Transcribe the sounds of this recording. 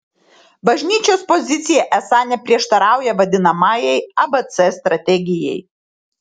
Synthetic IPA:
bɐʒʲnʲiːt͡ʃʲoːspɔzʲɪt̪sʲɪjɛʔɛsɑnʲɛpʲɾʲiɛʃt̪ɐɾɑˑʊjɛʋɐd̪ʲɪnɐmɑːjɛɪɐbɐt̪sɛst̪ɾɐt̪ʲɛɡʲɪjɛɪ

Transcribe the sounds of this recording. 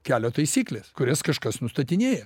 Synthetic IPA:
kʲæːlʲoːt̪ɐɪsʲiːklʲeːskʊɾʲɛskɐʃkɐsnʊst̪ɐt̪ʲɪnʲeːjɛ

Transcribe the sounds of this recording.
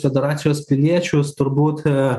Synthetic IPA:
fʲɛd̪ʲɛɾɑːt̪sʲɪjoːspʲɪlʲiɛt͡ʃʲʊst̪ʊɾbuːt̪

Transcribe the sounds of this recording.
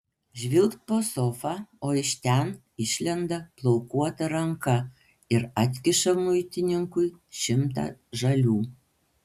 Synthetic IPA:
ʒʲʋʲɪlˠkt̪̚poːsofɐoːɪʃʲt̪ʲɛn | ɪʃʲlʲɛnd̪ɐplˠoʊkuɔt̪ɐɾɐŋkɐ | ɪɾɐt̪ʲkʲɪʃɐmʊjt̪ʲɪnʲɪŋkʊjʃʲɪmt̪ɐ̰ʒɐlʲuː

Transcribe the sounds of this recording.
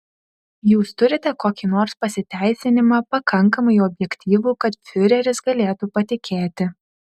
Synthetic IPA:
juːst̪ʊɾʲɪt̪ʲɛkoːkʲiːnoːɾspɐsʲɪt̪ʲæˑɪsʲɪnʲɪmɑːpɐkʰɐŋˑkɐmɐɪɔbʲjɛkʲt̪ʲiːʋuːkɐt̪fʲʊɾʲɛɾʲɪsɡɐlʲeːt̪upɐt̪ʲɪkʲʰeːt̪ʲɪ

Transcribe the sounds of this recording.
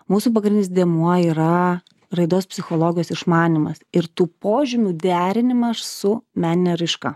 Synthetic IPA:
muːsuːp̬ɐɡɾʲnʲnʲɪsd̪ʲeɛmuɔiːɾɐ | rɐɪd̪oːspʲsʲɪxoːlˠoːɡʲɪjoːsɪʃmɑːnʲɪmɐsɪɾt̪uːpoːʒʲɪmʲuːd̪ʲæːɾʲɪnʲɪmɐssʊmʲæːnʲɪnʲɛɾɐɪʃkɐ

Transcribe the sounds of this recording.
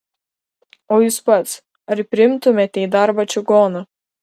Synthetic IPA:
oːjuːspɐt̪s | ɐɾpʲɾʲɪɪmt̪ʊmʲet̪ʲɛɪd̪ɑɾbɐt͡ʃʲʊɡoːnɐ

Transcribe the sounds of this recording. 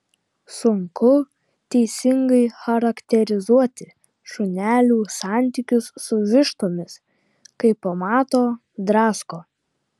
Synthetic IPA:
sʊŋkʊ | t̪ʲɛɪsʲɪŋɡɐɪxɐɾɐkt̪ʲɛɾʲɪzuɔt̪ʲɪ | ʃʊnʲæːlʲuːsɑˑnʲt̪ʲikʲʊsːʊʋʲɪʃt̪oːmʲɪs | kɐɪpːɐmɑːt̪oː | d̪ɾɑːskoː

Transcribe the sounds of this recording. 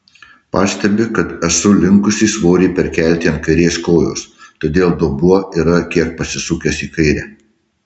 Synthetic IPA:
pɑːsʲt̪ʲɛbʲɪkɐt̪ɛsʊlʲɪŋkʊsʲiːsʋoːɾʲɛːpʲɛɾʲkʲæˑlʲt̪ʲiɛnt̪̚kɐɪɾʲeːskoːjo̰ːst̪oːd̪ʲeːlˠd̪obuɔiɾɐkʲiɛk̚pɐsʲɪsʊkʲɛsiːkɐɪɾʲæː

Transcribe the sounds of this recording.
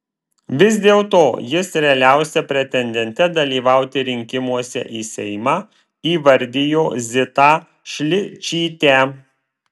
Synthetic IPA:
ʋʲɪsd̪ʲeːlˠt̪oːjɪsɾʲɛɐlʲæˑʊsʲɛpʲɾʲɛt̪ʲɛnʲd̪ʲɛnʲt̪ʲɛd̪ɐlʲiːʋɑˑʊt̪ʲɪɾʲɪŋʲkʲɪmuɔsʲɛ̰ʔiːsʲɛɪmɑː | iːʋɐɾʲd̪ʲɪjoːzʲɪt̪ɑː | ʃʲlʲɪt͡ʃʲiːt̪ʲæː

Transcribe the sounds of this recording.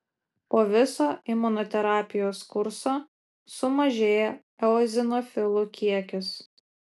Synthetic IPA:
poːʋʲɪsoːʔɪmʊnɔːt̪ʲɛɾɑːpʲɪjoːskʊɾsoː | sʊmɐʒʲeːjɛ | ɛɔzʲɪnɔfʲɪlˠʊkʲiɛkʲʊs

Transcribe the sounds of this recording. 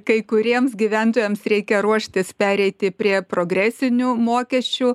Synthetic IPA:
kɐɪkʊɾʲiɛmsɡʲiʋʲænt̪oːjɛmsɾʲɛɪkʲɛɾuɔʃʲt̪ʲɪspʲæːɾʲɛɪt̪ʲɪpʲɾʲiɛpɾoːɡɾʲæːsʲɪnʲuːmoːkʲɛsʲt͡ʃʲuː

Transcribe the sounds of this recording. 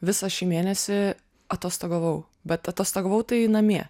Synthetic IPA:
ʋʲɪsɐʃʲiːmʲeːnʲɛsʲɪ | ɐt̪oːst̪ɐɡɐʋɐʊ | bʲɛt̪ɐt̪oːst̪ɐɡɐʋɐʊt̪ɐɪnɐmʲiɛ

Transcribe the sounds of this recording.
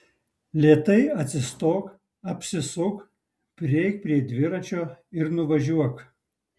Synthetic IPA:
lʲiɛt̪ɐɪɐt̪ʲsʲɪst̪oːk | ɐpʲsʲɪsʊk | pʲɾʲɪɛɪk̚pʲɾʲiɛd̪ʲʋʲɪɾɐt͡ʃʲoːɪɾnʊʋɐʒʲuɔk

